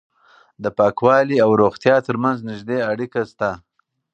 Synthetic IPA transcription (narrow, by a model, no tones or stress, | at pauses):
d̪əpɑkwɑliawɾoɣt̪jɑt̪əɾmanznɪʒd̪eaɽikast̪a